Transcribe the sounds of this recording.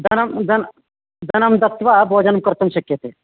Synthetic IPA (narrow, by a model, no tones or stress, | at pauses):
d̪ɐnɐmd̪ɐn | d̪ɐnɐmd̪ɐkt̪ʋabʱoːd͡ʒɐnɐmkɐɾt̪ʰɐmɕɐkjɐt̪eː